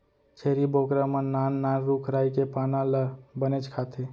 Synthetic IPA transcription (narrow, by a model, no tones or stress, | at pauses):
t͡ʃʰeːɾibokɾaməːaːnːanɾukʰɾaːikepaːnaləbənet͡ʃkʰaːt̪ʰe